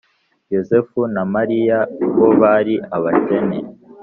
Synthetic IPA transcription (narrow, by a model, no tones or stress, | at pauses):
jo̞zefunamaɾijaβoβaɾiʔaβace̞ne